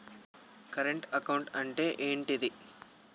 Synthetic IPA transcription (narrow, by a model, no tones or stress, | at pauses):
kɐɾeɳʈɐkɐwɳʈɐɳʈeːʔeːɳʈid̪i